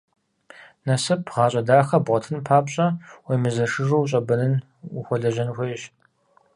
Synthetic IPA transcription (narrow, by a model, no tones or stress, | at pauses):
nɐsɨpʰʁɑːɕʼɐdaːxɐbʁʷɔtʰɨnpʰaːpɕʼɐwejmɨzɐʂɨʐowɕʼɐbɐnɨn | xʷɔɮɐʒɐnxʷejɕ